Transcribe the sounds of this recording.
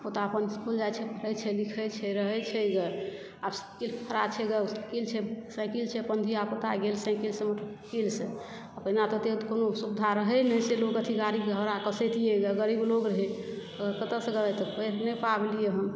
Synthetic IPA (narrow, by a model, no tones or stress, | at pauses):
pot̪aəpənskuld͡ʒajt͡ʃʰɛpʰəɾɛt͡ʃʰɛlikʰɛt͡ʃʰɛɾəɦɛt͡ʃʰɛɡə | abskilpʰəɾat͡ʃʰɛɡəskilt͡ʃʰɛsɛ̃kilt͡ʃʰɛpənd̪ʱiapot̪aɡelsɛ̃kilsẽməʈʰkilsẽ | apəɦnat̪ɔt̪ekonosubd̪ʱaɾəɦɛnəjselokət̪ʰiɡaɾibɡʱəɾakəsɛt̪ijeɡəɡəɾibloɡɾəɦɛ | əɡɾkət̪əsɡəlat̪ɔpənɛpablijeɦə̃m